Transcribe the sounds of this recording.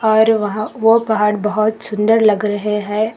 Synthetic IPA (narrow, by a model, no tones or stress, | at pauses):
ɔːɾʋɐɦãʋopɐɦaːɽbɐɦʊt̪sʊ̃nd̪əɾlɐɡɾɐɦeɦɛ̃ː